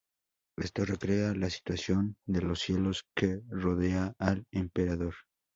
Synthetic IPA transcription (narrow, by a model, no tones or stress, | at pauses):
est̪o̞re̞kɾe̞alasi̥t̪wasjo̞nd̪e̞lo̞sje̞lo̞skero̞ðe̞aːlempe̞ɾaðo̞ɾ